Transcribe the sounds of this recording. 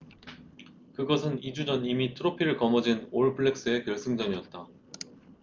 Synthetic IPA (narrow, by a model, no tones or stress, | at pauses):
kɯɡʌsʰɯnid͡ʑud͡ʑʌnimitʰɯɾopʰiɾɯɭkʌmʌd͡ʑinoɭpʰɯɭːe̞k̚s͈ɯe̞kjʌɭsʰɯŋd͡ʑʌɲiʌt̚t͈a